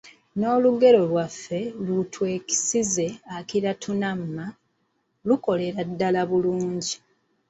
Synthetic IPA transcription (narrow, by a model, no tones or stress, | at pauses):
no̞ːluɡe̞ɾo̞lwafːe̞lutʰwe̞ːki̥size̞akiɾatʰunamːa | luko̞le̞ɾadːalaβuluːɲɟi